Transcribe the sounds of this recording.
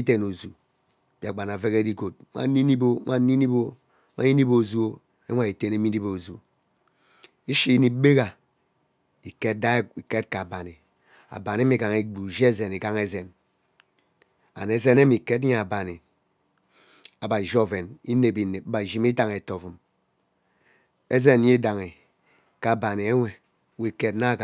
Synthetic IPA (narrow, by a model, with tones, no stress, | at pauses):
i˦te˨no˨zu˨ | b̥i˨a˨ɡ͡ba˨na˨ve˦ke˦di˦ɡo˨t̚ŋʷa̰˦ni˦ni˦bo˦ŋʷa˦ni˦ni˦bo˦ | ŋʷa̰˦i˦ni˦bo˨zu˦o˦ | e˦ŋʷa˦˨i˨te˦ne˦mi˦ni˦bo˨o˨zu˨ | i˦ʃi˦ni˦be˦ɣa˨ | i˨ke˦t̚da˦i˨ke˦t̚ka˨ba˨ni˨ | a̰˨ba˨n˦e˦mi˨ɡa˨ŋe˨ɡ͡bu˨d͡ʒe˦ze˨ni˨ɡa˦ŋe˦ze˨n | a̰˨ne˨ze˦ne˦mi˨ke˦tɲe˦˨a˨ba˨ni˨ | a˨ba˨ʒo˦ve˨ni˦ne˨bi˨ne˨bba˨ʒi˦m˦i˦da˨ŋe˨to˨vu˨m | e˦ze˦n˨ɲe˦da˨ŋe˨ | ka˨ba˨ni˨e˦ŋʷe˨˦ | we˦˨ke˦tna˦˨ɡa˨